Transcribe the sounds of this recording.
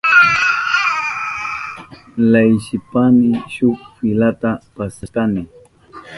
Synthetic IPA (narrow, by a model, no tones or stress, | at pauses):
lajʃɪpamɪʃʊkfɪlat̪apasat̪anɪ